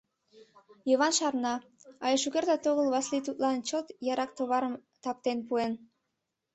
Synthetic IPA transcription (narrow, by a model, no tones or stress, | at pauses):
joβɑnʃɑrnɑɑjeʃuɣeɾd̪ɑt̪oɣəlβɑslit̪ut̪lɑnt͡ɕot̪jɑɾɑk̚t̪oβɑɾəm | t̪ɑp̚t̪enpuen